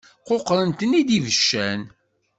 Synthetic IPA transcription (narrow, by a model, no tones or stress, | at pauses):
qoqːɾənt̪ənid̪ivəʃːæn